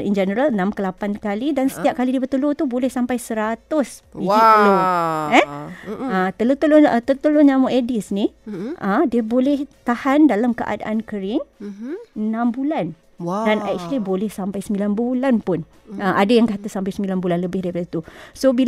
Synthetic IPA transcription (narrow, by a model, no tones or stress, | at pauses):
ḭnd͡ʒənəɾalnãmkəlapankalidansə̥t̪iap̚kalidibət̪əlot̪ubolɛhsampajsəɾat̪ʊsiiloɛ | ət̪əlot̪əloət̪ət̪əloɲamoʔedisniʔədiəbolɛht̪ahandalamkəʔa̰da̰ʔankəɾɪŋ | ənãmbulan | dana̰k̚t͡ʃalibolɛhsampajsəmbilanbulanpʊn | əʔadajaŋkat̪asampajsəmbilanbulanləbɪhdaɾipadat̪usobil